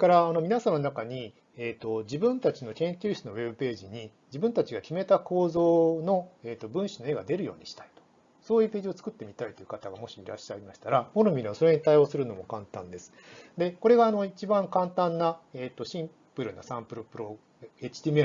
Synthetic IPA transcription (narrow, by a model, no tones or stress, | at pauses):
kaɾaːno̞mʲinasamanonakaɲ̟i | eːt̪ːo̞d͡ʑibɯ̟̃nt̪at͡ɕino̞kẽ̞ŋkʲɨːɕt͡sɨno̞we̞bɯ̟pe̞ːʑiɲ̟i | d͡ʑibɯ̟̃nt̪at͡ɕiɡakʲime̞t̪ako̞ːzo̞ːno̞eːt̪ːo̞bɯ̟̃ɰ̃ɕino̞eːɡad̪e̞ɾɯ̟jo̞̰ːɲ̟iɕi̥t̪ai̥t̪o̥ | so̞ːjɯːpe̞ːʑio̞t͡sɨ̥kɯ̟t̪ːe̞mʲit̪ait̪o̞jɯ̟kat̪aɡamo̞ɕiiɾa̰ɕːaimaɕi̥t̪aɾamoɾomʲiɾeβaso̞ɾe̞ɲit̪aio̞ːsɨɾɯ̟no̞mo̞kãnt̪ãnd̪e̞sɨ̥d̪e̞ko̞ɾe̞ɡaːno̞it͡ɕibãŋkãnt̪ãnːaeːt̪ːo̞ɕĩm | pɯ̟ɾɯ̟na̰sãmpɯ̟ɾopɯ̟ɾo̞ | et͡ɕi̥t̪ʲiːme